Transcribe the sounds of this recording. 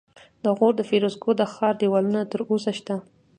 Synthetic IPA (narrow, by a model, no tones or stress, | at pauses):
d̪əɣoɾd̪əfeɾosɡod̪əxɑɾd̪iwɑlunat̪əɾosaʃt̪a